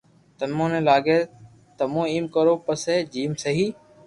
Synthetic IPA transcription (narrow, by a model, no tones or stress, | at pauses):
t̪ənmõːnẽːlaːɡeː | t̪əmõːiːmkəɾoːpəseːd͡ʒiːmsəɦiː